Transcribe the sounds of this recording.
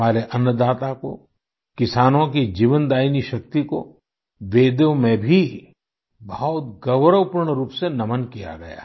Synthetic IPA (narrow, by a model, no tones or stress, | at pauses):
aːɾeʔɐnːəd̪aːt̪ako̰ | kɪsaːnõkid͡ʒiːʋənd̪aːiniʃɐk̚t̪iko̰ | ʋeːd̪õmẽbʱi | bɐɦɔt̪̚ɡɐʋɾəwpʊɾɽ̃ɾuːpsenɐmənkija̰ɡɐja̰ː